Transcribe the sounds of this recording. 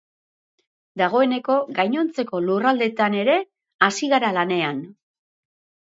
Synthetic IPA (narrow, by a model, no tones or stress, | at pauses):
d̪aɣ̞o̞e̞ne̞ko̞ɡajɲo̞nt͡se̞ko̞lurald̪e̞t̪ane̞ɾe̞ | asiɣaɾalane̞an